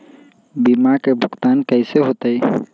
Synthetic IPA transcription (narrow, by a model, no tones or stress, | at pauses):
bimakebʱʊkt̪aːnkəɪseɦoːt̪ai